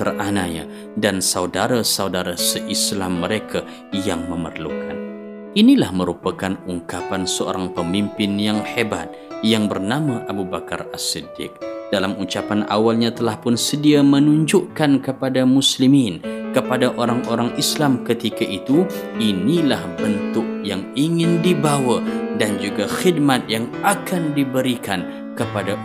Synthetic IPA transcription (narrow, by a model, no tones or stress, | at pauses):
t̪əranaɲa̰ | dansaudaɾasaudaɾasəʔislamːəɾekʰa | jaŋməmə̰rlṵkʰan | inilahməɾupakanuŋkapansəo̰ɾaŋpəmimpɪnjaŋheba̰t̪̚jaŋbərnamaʔabubakarasidɪ̰k̚dalamut͡ʃapanʔa̰walɲat̪əlahpʊnsədiamənuɲd͡ʒʊʔkankəpadamusliminkəpadaʔoɾaŋoɾaŋislamkət̪ikaʔit̪uinilahbənt̪ʊk̚jaŋiŋɪndibawadand͡ʒuɡaxid̚mat̪̚jaŋakandibəɾikan | kəpada